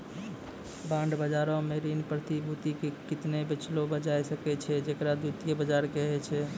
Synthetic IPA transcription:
bãɳɖbəd͡ʒaɾõmeɾinpɾət̪ibʱut̪ikekɪt̪nebɪt͡ʃʰlobəd͡ʒajsəkɛt͡ʃʰɛd͡ʒekɾad̪ut̪ijebəd͡ʒaɾkeɦɛt͡ʃʰɛ

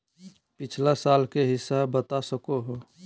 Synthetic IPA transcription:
pɪt͡ʃʰlasaːlkeɦɪsːabət̪asəkoɦo

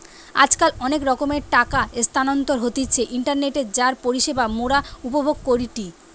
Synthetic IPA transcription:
a̰d͡ʑkalɔnekɾɔkomeɾʈakaest̪ʰanont̪oɾɦot̪it͡ɕʰeʔiɳʈaɾneʈeɾd͡ʑaɾpoɾiʃebamoɽaupobʱoɡ̚koɾiʈi

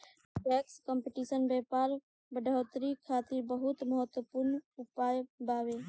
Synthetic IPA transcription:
ʈɛːkskɔ̃mpeʈiːsənbɛːpaːɾ | bəɖʱoːt̪ɾikʰaːt̪ɪɾbəɦʊt̪məɦət̪wəpʊɾnʊpaːjbaːʋeː

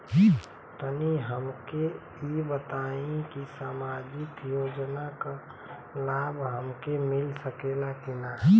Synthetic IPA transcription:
t̪əniɦəmke | ibət̪aĩkisamad͡ʒɪkjoːd͡ʒnaka | laːbɦəmkemɪlsəkelakinaɦ

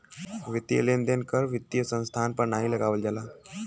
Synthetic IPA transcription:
ʋit̪jə̰lend̪enkəɾʋit̪jəsə̃nst̪ʰanpəɾnaɦiləɡaʋəld͡ʒalaː

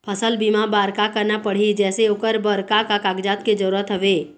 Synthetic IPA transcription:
pʰəsəlbimabaːɾkakəɾnapəɽ̤id͡ʒɛːseoːkəɾbəɾkakakaːɡd͡ʒaːt̪ked͡ʒəɾuɾət̪ɦəʋeː

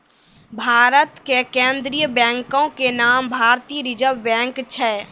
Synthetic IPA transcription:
bʱaːɾət̪kekẽːnd̪ɾijəbɛ̃ːŋkõkenaːmbʱaːɾt̪iːɾɪd͡ʒəʋbɛ̃ːŋkt͡ʃʰɛ

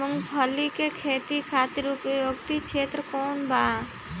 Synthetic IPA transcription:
əŋɡbʱɔlːikekʰeːt̪ikʰaːt̪ɪɾupjoːɡt̪ikʃʰeːt̪ɾəkoːnbaː

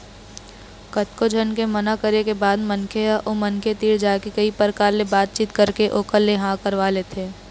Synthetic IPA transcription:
kɐt̪kod͡ʒʱɐnkemɐnakəɾekebaːd̪mɐnkʰeaʔoːmɐnkʰet̪iːɽd͡ʒaːekikɐipəɾkaːɾlebaːt̪̚t͡ʃiːt̪kɐɾkeʔoːkəlleɦãkəɾʋaːlet̪ʰeː

